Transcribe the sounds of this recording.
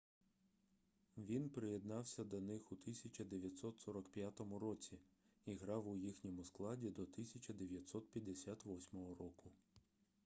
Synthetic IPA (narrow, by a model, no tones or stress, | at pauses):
ʋʲinpɾejed̪nɑwsʲɐd̪ɔnɪxut̪ɪsʲɐt͡ʃɐd̪eʋʲjɐt̪sɔt̪sɔɾɔkpjat̪ɔmʊɾɔt͡sʲi | iɦɾɑwʊjixnʲɔmʊsklˠɑdʲid̪ɔt̪ɪsʲɐt͡ʃʲɐd̪eʋʲjɐt̪sɔt̪̚pʲjɐd̪ːesʲat̪ʋɔsʲmɔɦɔɾɔkʊ